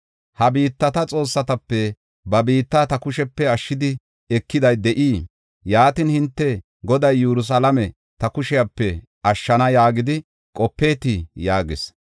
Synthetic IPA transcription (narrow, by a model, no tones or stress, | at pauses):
hɐbiːt̪ːɐt̪ɐt͡sʼo̞ːsːɐt̪ɐpːɛ | bɐbiːt̪ːat̪ɐkʊʃɛpːɛɐʃːɪd̪ɪ | ɛkːɪd̪ɐjd̪ɛʔiː | jaːt̪ɪnhɪnt̪ːɛ | ɡɔd̪ɐjːɛɾʊs̬ɐlɐmɛ | t̪ɐkʊʃɪjɐpːɛ | ʔɐʃːɐnɐjaːɡɪd̪ɪ | kʼɔpːe̞ːt̪ɪjaːɡɪs